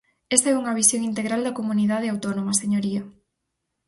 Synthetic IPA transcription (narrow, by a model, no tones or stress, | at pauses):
ɛst̪aɛuŋɐβisjoŋint̪eɣɾald̪ɐkomuniðaðeawt̪onomɐseɲoɾiɐ